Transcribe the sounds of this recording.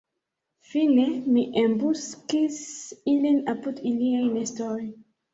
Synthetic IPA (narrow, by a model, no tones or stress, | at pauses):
fine̞miʔembuskisilinapudiliajmestoj